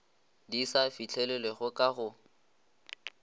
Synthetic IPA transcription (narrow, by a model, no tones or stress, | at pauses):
disafit͡ɬʰɛlɛleɣʊkʼaɣʊ